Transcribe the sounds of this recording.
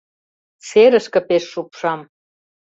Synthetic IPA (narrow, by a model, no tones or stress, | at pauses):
seɾə̆ʃkə̆peʃːupʃɑm